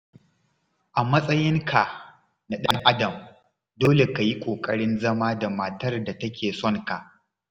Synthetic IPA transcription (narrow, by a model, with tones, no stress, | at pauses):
ʔa˨mɐ˦sʼɐ˦jɪ˦ŋkʰa˨ | na˨ɗɐ˦ŋʔa˦dɐ˨m | doː˦le˨ka˨ji˦kʷʼoː˨kʼɐ˦ɽɪ˦nzɐ˦maː˦da˨ma˨tɐ˦rda˨tɐ˦kʲʰeː˨sɔ˦ŋka˨ʔ